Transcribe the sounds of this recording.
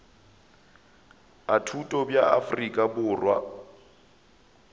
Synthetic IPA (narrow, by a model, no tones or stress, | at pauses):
atʰutʼɔbjaafrikʼabʊːrwa̰